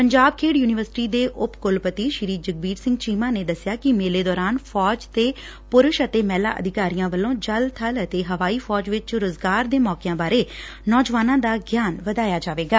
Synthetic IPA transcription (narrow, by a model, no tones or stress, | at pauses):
pəɲd͡ʒaːb̚kʰeːɽjuːnɪʋəɾsɪ̥ʈiːd̪eːʔʊpkʊlpət̪iːʃɪɾiːd͡ʒəɡ̚biːɾsɪ̃ŋɡt͡ʃiːmãːneːd̪əsːɪjaːkɪmeːleːd̪ɔːɾaːnpʰɔːd͡ʒt̪eː | pʊɾʊʃət̪eːmɛːla̰ːʔə̰d̪ɪkaːɾijãːʋəlːõːd͡ʒəlt̪ʰələt̪eːɦəʋaːiːpʰɔːd͡ʒʋɪt͡ʃɾʊzɡaːɾd̪eːmɔːkejãːbaːɾeː | nɔːd͡ʒʋaːnãːd̪aːɡjaːnʋəd̪aːjaːd͡ʒaːʋeːɡaː